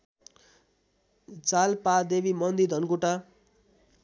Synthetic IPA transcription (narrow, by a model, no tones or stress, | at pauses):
d͡zalpad̪ebimʌnd̪id̪ʱʌnɡuʈa